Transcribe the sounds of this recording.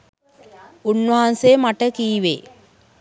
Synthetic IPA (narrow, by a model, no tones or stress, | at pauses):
unːʋɐɦanseːmaʈəkiːʋḛ